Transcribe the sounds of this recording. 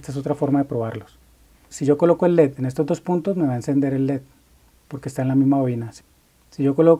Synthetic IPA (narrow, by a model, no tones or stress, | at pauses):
est̪aes̬o̞t̪ɾafo̞ɾmaðe̞pɾo̞β̞aɾlos | siʝo̞ko̞loko̞e̞lːe̞t̪enest̪ozd̪o̞spunt̪o̞zme̞βae̞nse̞nd̪e̞ɾe̞lːet̪̚ | po̞ɾkeːst̪aenlamizmaoinas | siʝo̞kolok